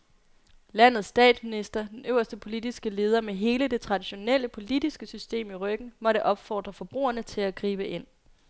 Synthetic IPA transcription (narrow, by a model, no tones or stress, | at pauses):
læn̰ð̩ˠsd̥ɛ̰ːd̥sminisd̥ɐd̥enʔøʊ̰ɐsd̥əpʰo̝lid̥isɡ̥əle̝ːð̞ˠɐmeɦe̝ːləd̥e̝t͡sʰʁɑ̈d̥iɕo̝nel̰əpʰo̝lid̥isɡ̥əsysd̥e̝̰ːmiʁœɡ̥n̩mɒ̽ɾəʔɒ̽b̥fɒ̰ːd̥ʁɐfɒ̽b̥ʁṵːɐnət͡sʰe̝læɡ̥ʁiːb̥əʔe̝n̰